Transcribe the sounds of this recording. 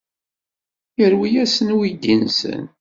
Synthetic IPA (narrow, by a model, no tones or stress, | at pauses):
jəɾwijæsənwid̪insə̰n